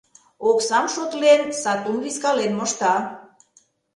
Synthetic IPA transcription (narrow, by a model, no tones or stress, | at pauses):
oksɑmʃot̪lensɑt̪umβiskɑlenmoʃt̪ɑ